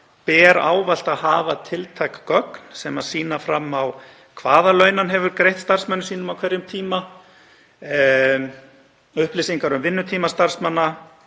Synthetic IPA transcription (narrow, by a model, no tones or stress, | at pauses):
pɛːɾa̰ːwval̥t̪aðhaːvat̪ʰɪlt̪ʰajkkœknsɛmaðsiːnafɾamːaw | kʰvaːðalœɥnanɦɛvʏɾkɾejht̪st̪ar̥smɛnːʏsiːnʏmawkʰvɛɾjʏmt̪ʰiːma | ʏhplɪsiŋkaɾʏmvɪnːʏt̪ʰiːmast̪aɾ̥smɛnːa